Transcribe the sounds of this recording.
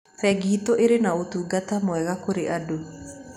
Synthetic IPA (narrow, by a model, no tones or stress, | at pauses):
fɛɡiːtoʔeɾenaotuːɡatamwɛɣakoɾeʔado